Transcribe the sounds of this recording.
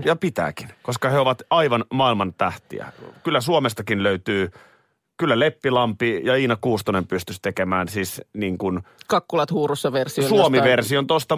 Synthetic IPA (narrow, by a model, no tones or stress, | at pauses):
jɑpit̪æ̰ːkinkoskɑheoʋɑt̪ɑiʋɑnmɑilmɑnt̪æht̪ḭæ̰kylːæsuomest̪ɑkinløyt̪yː | kylːælepːilɑmpijɑiːnɑkuːst̪oinempyst̪yst̪ekemæːnsisniːŋkunkɑkːulɑt̪huːrusːɑʋersisosuomiʋersiont̪ost̪ɑ